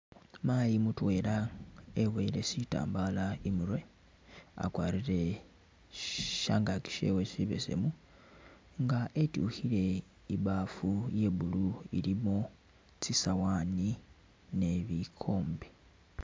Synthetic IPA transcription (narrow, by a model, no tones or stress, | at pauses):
maːjimutwe̞ːlaewe̞ɾesita̰ːmbaːlaimuɾwe̞ | a̰kwaːɾiɾe | ʃaːŋɡaki̥ʃḛwesiβḛse̞̰mu | ŋɡaʔetuːhiɾe̞ | iβaːfujeːβuluḭɾimo | t͡sisawaːni | ne̞βikʰo̞ːmbe